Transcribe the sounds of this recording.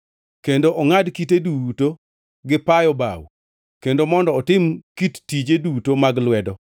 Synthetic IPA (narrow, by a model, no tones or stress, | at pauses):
kendoʔɔŋadkiteduto | ɡɪpajɔba̰w | kendomɔndɔːtɪmkittːid͡ʒedutomaɡlwɛdɔ